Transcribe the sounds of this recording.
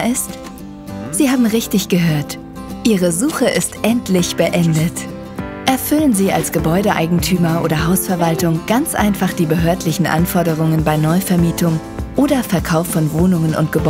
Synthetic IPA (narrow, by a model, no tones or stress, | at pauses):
ɪst | z̥iːhaːbm̩ʁɪçtɪçɡ̥əɦøːɐt | ʔiːʁəzuːχəʔɪstʔɛntʰlɪçb̥əʔɛndət | ʔɛɐfʏlənziːa̰lsɡ̥əbɔʏɾəʔa̰ɪɡŋ̩tʰyːmɐʔo̰ːdɐɦaʊsfɛɐvaltʊŋɡ̥ant͡sʔa̰ɪnfaχd̥iːbəɦøːɐtlɪçn̩ʔa̰nfɔɐdəʁ̞ʊŋənbaɪnɔʏfɛɐmiːtʰʊŋ | ʔoːdɐfɛɐkʰaʊfːɔnvoːnʊŋənʊ̰nt̚ɡ̥əbɔ